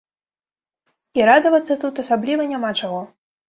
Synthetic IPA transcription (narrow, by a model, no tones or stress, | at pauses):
iɾad̪ɐvɐt̪sːɐt̪ut̪ɐsablʲivɐnʲamat͡ʂaɣɔ